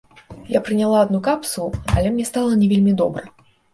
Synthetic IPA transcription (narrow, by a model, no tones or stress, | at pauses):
japɾɨnʲalˠaːd̪nukapsuuɐ̰lʲɛmnʲɛst̪alˠɐnʲɛvʲelʲmʲid̪ɔbɾɐ